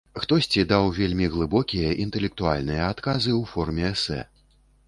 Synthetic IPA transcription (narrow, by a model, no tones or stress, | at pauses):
xt̪ɔsʲt͡sʲid̪awvʲelʲmʲiɣlˠɨbɔkʲijɐʔint̪ɛlʲɛk̚t̪ualʲnɨjɐat̪kazɨwfɔrmʲɛɛsɛ̰